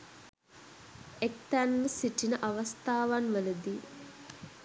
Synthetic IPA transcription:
ek̚t̪ænməsiʈinəʔaʋast̪aːʋanʋələd̪i

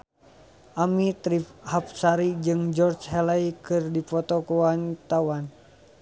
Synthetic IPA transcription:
ʔamit̪ɾifhap̚saɾid͡ʒɨŋd͡ʒɔrd͡ʒɦɛlaikɨrdipɔt̪ɔkuwant̪awan

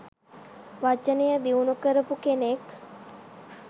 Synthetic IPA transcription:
ʋat͡ʃənejəd̪iunukəɾəpukenek

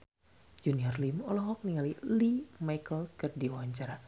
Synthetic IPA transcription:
d͡ʒuniɔrlimɔlɔɦɔk̚niŋalilimajkəlkɨrdiuwaɲt͡ʃaɾa

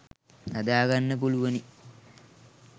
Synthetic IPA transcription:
nɐd̪aːɡanːəp̬uluʋɐni

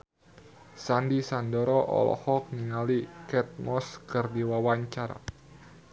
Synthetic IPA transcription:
sandisandɔɾɔʔɔ̰lɔ̰hɔk̚niŋalikɛt̪̚mɔskərdiwawaɲt͡ʃaɾa̰

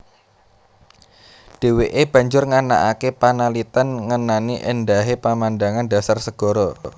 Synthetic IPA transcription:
ɖ̥e̤weʔeb̥ä̤ɲd͡ʒʊrŋana̰ʔakepanalit̪anŋənaniʔə̰ndaɦepamandaŋanda̤sarsəɡ̥ɔ̤ɾɔ

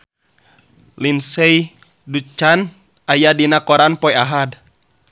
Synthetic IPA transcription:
linsɛj | dut͡ʃːan | ajadinakɔɾanpɔjaɦad

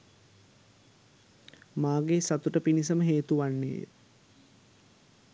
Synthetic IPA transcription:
maːɡesat̪uʈəpinisəməɦeːt̪uʋanːḛːjə̰

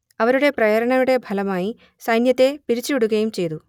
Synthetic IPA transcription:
ɐʋɐɾuɽe̞prɐjɐɾɐɳɐmuɽe̞bʱɐlɐmaːji | sɐjnjɐt̪ːe̞piɾit͡ɕːiuɽuɣɐjumt͡ɕe̞jt̪u

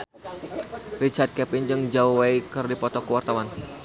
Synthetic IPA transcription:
rit͡ʃard̪̚kɛpɪnd͡ʒɨŋd͡ʒauwaikɨrdipɔt̪ɔkəwart̪awan

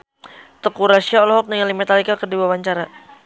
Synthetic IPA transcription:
t̪əkuɾasiaɔlɔɦɔk̚nəŋalimɛt̪alikakərdiwawaɲt͡ʃaɾa

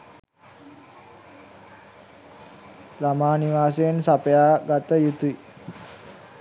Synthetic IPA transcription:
lamaːniʋaːsensapəjaːɡat̪əjut̪ui

